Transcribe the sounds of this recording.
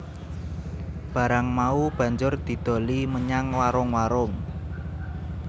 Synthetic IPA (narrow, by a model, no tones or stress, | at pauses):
b̥ä̤ɾaŋmaub̥ä̤ɲd͡ʒʊrd̪̥i̤d̪̥o̤liməɲaŋwaɾʊŋwaɾʊŋ